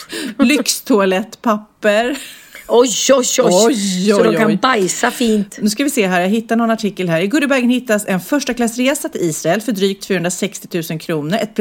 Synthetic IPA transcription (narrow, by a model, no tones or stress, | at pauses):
lʏkst̪ʰʊalɛt̪ːpʰapːəɾɔjɔɔjsɔd̪ɔkʰanjbajsafiːnt̪nʉ̟ːskavɪseːɦæːɾjaɡɦɪt̪ːaɳɔnaʈʰɪkːəlɦæːɾɪɡɵd̪əbæɾɡənhɪt̪ːasɛnfœʂʈakʰlasːɾeːsat̪ʰɪliːsɾaɛlfœɖɾyːk̚t̪fyːhɵnd̪ɾasɛkst̪ɪ̥t̪ʰʉ̟ːsənkʰɾuːnəɾɛt̪̚pʰ